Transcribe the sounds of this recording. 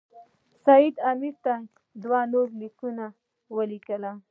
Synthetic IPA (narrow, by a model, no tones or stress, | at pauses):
sajid̪amiɾt̪a | d̪wanoɾlikuna | wəlikəla